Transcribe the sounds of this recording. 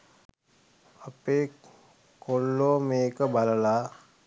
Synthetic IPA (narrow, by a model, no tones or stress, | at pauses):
apeː | kolːoːmeːkəbaləlaː